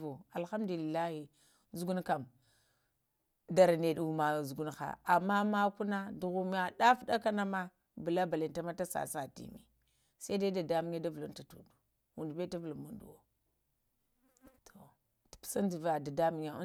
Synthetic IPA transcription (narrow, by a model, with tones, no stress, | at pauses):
u˨a˨lxa˦mdu˨li˨lːa˦hi˨ | zu˨˦ɡu˦nka˨m | da˨ɾa˨ne˨ɗu˨ma˨zu˨ɡu˦nxa̰˨ʔa˨mːa˦ma˦ku˦na˦du˨ɣu˦m˦a˨ɗa˦fɗa˦ka˦na˦ma˦ | bu˨la˦ba˨li˨nta˦ma˦ta˦sa̰˨sa˨tḭ˨mḭ˨ | sa˦da˦da˨da˦mi˦ɲ˦a˦da˦vu˨lu˦nta˨tu˨du˨ | wu˨ndbe˦ta˦vu˨lu˨mu˨ndṵ˨wo˦ | tʰo˨ | tpsa˦n˦di˨va˨da˨da˦mi˨ɲa˦